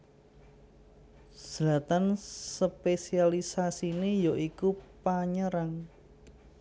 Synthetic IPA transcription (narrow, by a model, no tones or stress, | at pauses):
z̥lat̪ansəpesialisasinejoʔikupaɲəɾaŋ